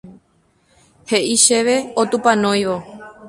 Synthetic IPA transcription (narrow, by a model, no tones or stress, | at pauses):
he̞ʔiʃeʋe̞ot̪upãnõj̃ʋo